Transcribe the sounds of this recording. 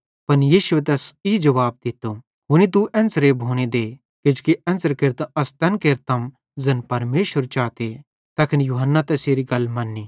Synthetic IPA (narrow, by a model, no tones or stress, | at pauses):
pɐnjiːʃʊet̪̬ɛsid͡ʒɐʋaːb̚d̪ɪt̪ːo | ɦʊnit̪̬uʔɛ̃ːnsɾeːbʱoːñed̪eː | kʊd͡ʒukiɛ̃ːnsəɾkeɾt̪ɐst̪ɛ̃ːnkeːɾt̪ɐm | zɐnpɐɾmeːʃəɾt͡ʃaːt̪e | t̪ɐːkʰɪnjuːɦənːat̪ɛseːɾiɡɐlmɐnːiː